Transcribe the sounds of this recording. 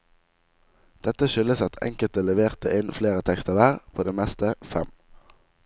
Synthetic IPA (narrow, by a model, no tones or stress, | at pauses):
d̪̥ɛt̪əʃʏləsɑt̪ʰɛ̰ŋkəlt̪əlɛʋeːʁt̪əʔɪnfleːʁət̪ʰɛkst̪əʁʋæːʁpʰoːd̪eːmɛst̪əfɛm